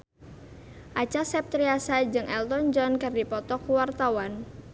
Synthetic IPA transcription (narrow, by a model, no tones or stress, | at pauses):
ʔat͡ʃasɛp̚t̪ɾiasad͡ʒɨŋɛlt̪ɔnd͡ʒɔnkardipɔt̪ɔkuwart̪awan